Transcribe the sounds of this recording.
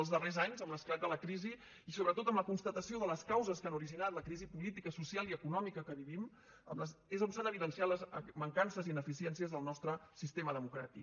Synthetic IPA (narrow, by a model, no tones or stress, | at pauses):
əlˠzðərezaɲzəmləsklad̪ələkɾiziː | soβɾət̪ot̪əmləkunst̪ət̪əsioðələskawzəskanuɾiʒinat̪ləkɾizipulit̪ikəsusialˠiəkunɔmikəkəβiβim | ə̰mləzezupsanəβ̞iðənsialəzməŋkansəzinəfisiɛnsiəzðəlˠnɔst̪ɾəsist̪eməðəmukɾa̰t̪ik